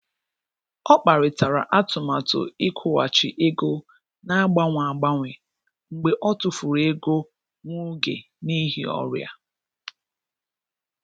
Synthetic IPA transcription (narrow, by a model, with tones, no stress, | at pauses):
ɔ˦k͡pa˨ɾɪ˨ta˨ɾa˨ʔa˦tʊ˨ma˨tʊ̰˨i˦kʷʰʊ˦wa̰˨t͡ʃɪ˨ʔe˦ɡo˦ | na˦a˦ɡ͡ba˦ŋʷa˨ɡ͡ba˦ŋʷɪ˨ | ŋ͡m̩˨ɡ͡be˨ʔɔ˦tʊ˨fu˨ɾe˦ɡo˦ | ŋʷʊ˦ɡḛ˨ | ni˦ɦḭ˨˦ɔ̰˦ɾja̰˦